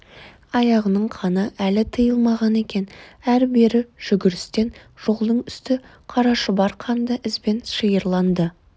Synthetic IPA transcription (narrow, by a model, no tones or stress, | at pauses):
ɑjɑʁənəɴqʰɑnəʔælɪt̪ʰəjəlˠmɑʁɑne̞kʲe̞næɾbe̞ɾɪʒ̥ʏɡʲɪɾɪst̪e̞nʒ̥o̞lˠd̪əɴʏst̪ɪ | qʰɑɾɑʃəbɑɾqʰɑnd̪ɑʔɪzbe̞nʃəjəɾlˠɑnd̪ə